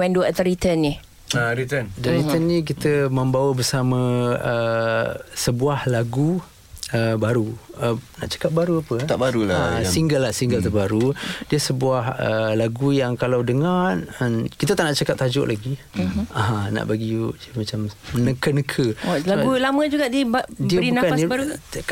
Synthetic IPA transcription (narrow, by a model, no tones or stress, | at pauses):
wɛndud̪əɾit̪ənːi | aɾit̪ənd̪əɾit̪ənːĩk̬it̪əmə̃mbawəbərsamə̃ə | səbuahlaɡu | əbaɾuəna̰ʔt͡ʃḁkap̚baɾuapət̪abaɾulasiŋɡəlːahsiŋɡəlt̪əbaɾudiəsəbuahə̰laɡujaŋkalawdəŋarənkit̪ət̪aʔnaʔt͡ʃakap̚t̪ad͡ʒʊ̰ʔlʔaɡi | aɦãna̰ʔbaɡid͡ʒəmat͡ʃamənəkənəkʰəaɡulamə̃d͡ʒuɡaʔdibdiəɾibiunakanbaɾuk